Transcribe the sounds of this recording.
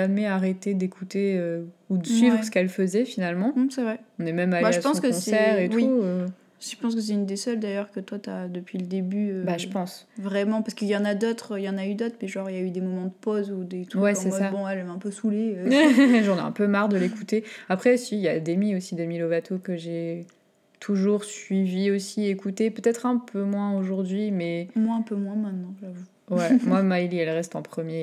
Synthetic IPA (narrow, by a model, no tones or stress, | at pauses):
amɛaʁet̪ed̪ekʰut̪eøud̪əsɥivʁəsə̥kɛlfəzɛfinalmɑ̃sɛvʁɛɔ̃nɛmɛmalaeaspɑ̃skəɔsɛsɛʁet̪wiuø | ʒ̥ə̥pɑ̃s̬kəs̬ɛynd̪esœld̪ajœʁkət̪wat̪yad̪əpɥiləd̪ebyøbaʒəpɑ̃svʁɛmɑ̃pasə̥kiljɑ̃nad̪ot̪χiljɑ̃nayd̪ot̪χmɛʒɑ̃ʁiljayd̪emɔmɑ̃d̪əpozud̪et̪wɛsɛmsabɔ̃ɛlɛmɛ̃pøsuleøʒɑ̃nɛɛ̰̃pømaʁd̪əlekut̪eapχɛsiljad̪emiosid̪emilovat̪ʰokəʒe | t̪ʰuʒuʁsɥiviosiekut̪epøt̪ɛt̪χɛ̃pʰømwɛ̃oʒuʁd̪ɥimɛmwɛ̃ɛ̃pømwɛ̃mɛ̃t̪nɑ̃ʒavu | wɛmwamajliɛlʁɛst̪ɑ̰̃pχəmje